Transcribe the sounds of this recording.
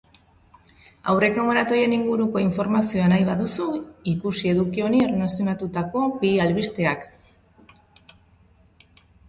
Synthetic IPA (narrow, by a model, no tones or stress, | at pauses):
a̰wre̞koŋɡoɾat̪o̞je̞niŋɡuɾuko̞iɱfo̞ɾmasio̞anajβaðusuikusie̞ðukio̞niernasijo̞nat̪ut̪ako̞pialβist̪e̞ak